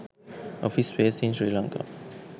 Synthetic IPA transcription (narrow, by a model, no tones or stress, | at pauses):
ʔɔfiswesĩnsɹilãŋka̰